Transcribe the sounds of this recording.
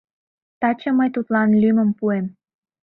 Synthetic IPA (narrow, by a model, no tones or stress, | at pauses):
t̪ɑt͡ɕə̆məjt̪ut̪lɑnlyməmpuem